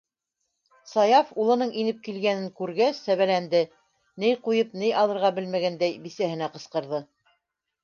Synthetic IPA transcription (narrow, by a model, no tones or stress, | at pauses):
sɑjɑfulˠɤ̆nɤɴinɘp̚kilɡænɘŋkʉɾɡæsːæβælænd̪ɘ | nɘjqujɤpnɘjʔɑlˠɤ̆ɾʁɑbɘlmæɡænd̪æjbisæhɘ̆næqɤ̆sqɤ̆ɾðɤ